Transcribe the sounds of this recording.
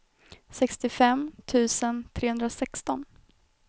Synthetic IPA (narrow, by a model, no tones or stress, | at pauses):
sɛkst̪ɪfɛmt̪ʰʉ̟ːsənt̪ʰɾeːhɵnd̪ɾasɛkst̪ɔn